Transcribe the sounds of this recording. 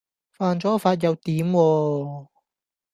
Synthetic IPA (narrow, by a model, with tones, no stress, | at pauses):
faː˧nt͡sɔː˨˥faː˧t̚jɐ˨˧wt̪iː˨˥mwɔː˧